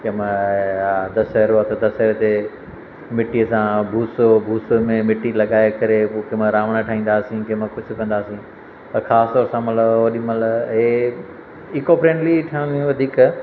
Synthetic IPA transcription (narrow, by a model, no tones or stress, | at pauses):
kɐmə | d̪ɐsɦɐɾoɐt̪ʰd̪ɐseɾt̪e | mɪʈiəsãbʱuːsobʱuːsmẽmɪʈilɐɠaːekɐɾepokemə̃ɾaːʋɽ̃əʈʰaːɦĩːn̆d̪aːsĩkɐmə̃kʊd͡ʑʱʊ̆kɐ̃nd̪aːsĩ | t̪ɐxaːst̪ɔːɾsãmɐt̪ləbɐɗĩmɐləɦeː | ikoːpɾẽːɳʈliʈʰãiũʋɐd̪ʱiːk